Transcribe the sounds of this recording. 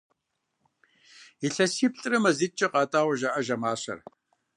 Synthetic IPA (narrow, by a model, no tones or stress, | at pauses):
iɬɐsiːp̚ɬʼɨrɨmɐzit͡ʃʼɐqɑːtʼaːwɐʒaʔɐʒɐmaːɕɐ̰r